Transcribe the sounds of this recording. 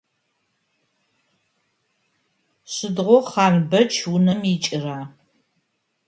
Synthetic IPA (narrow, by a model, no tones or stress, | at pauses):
ɕɪdʁʷɔχɑːnbɐt͡ʃʰwʊnɐmit͡ʃʼɪraː